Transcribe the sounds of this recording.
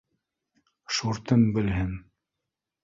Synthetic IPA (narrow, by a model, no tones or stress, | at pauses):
ʃuɾt̪ɤmbɘ̆lɦɘn